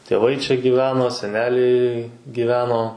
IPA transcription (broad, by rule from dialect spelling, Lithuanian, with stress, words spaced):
tʲeːˈʋɐɪ t͡ʃʲɛ ɡʲiːˈʋʲæːnoː sʲɛˈnʲæːlʲɛɪ ɡʲiːˈʋʲæːnoː